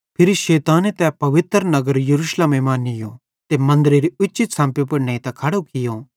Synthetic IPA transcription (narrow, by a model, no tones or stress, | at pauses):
pʰɪɾiʃeːt̪aːnet̪ɛpɐʋɪt̪ɾnɐɡəɾjɐɾuːʃleːmemaːnɪjõ̰ | t̪emɐ̃nd̪ɾeɾiʊːt͡ʃɪt̪sãːmpjop̬ɐɾnẽːĩt̪ɐ̃kʰɐɽokɪjõ